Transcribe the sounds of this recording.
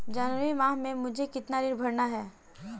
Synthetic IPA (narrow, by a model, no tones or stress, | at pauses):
d͡ʒənuɾimãːɦmẽmʊd͡ʒʱekɪt̪nanɪɾbʱɐɾnaɦɛː